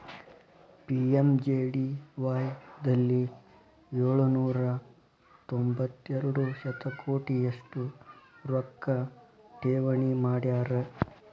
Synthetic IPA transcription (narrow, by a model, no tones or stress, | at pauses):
piemd͡ʒeːɽiʋaːjd̪ɐlːi | eːɭunuːɾɐ | t̪ombɐt̪ːɛɾuɽusɐt̪ɐkʰoːʈijeʂʈuɾɔkːɐ | ʈeːʋɐɳimaːɽjaːɾe